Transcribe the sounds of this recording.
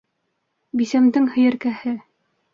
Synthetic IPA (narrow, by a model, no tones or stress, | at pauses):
bisæmd̪ɘŋhɘ̆jɘ̆ɾkæhɘ